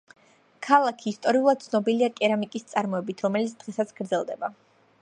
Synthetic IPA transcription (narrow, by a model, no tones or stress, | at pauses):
kʰalˠakʰiːst̪ʼɔɾiulˠad̪̚t̪sʰnɔbiliakʼɛɾamikʼist̪sʼaɾmɔɛbit̪ʰɾɔmɛlit̪sʰd̪̥ʁɛsat̪sʰɡ̥ɾd̪zɛlˠd̪ɛba